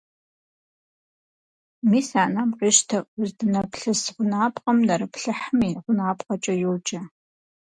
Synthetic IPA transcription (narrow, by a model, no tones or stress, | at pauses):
miːsaːnamqiʃtʰɐʔzdɨnɐpɬɨsʁʷʊnaːpʼqʼɐmnɐɾɨpɬɨħmiːʁʷʊnaːpʼqɐt͡ʃʼɐjowt͡ʃʼɐ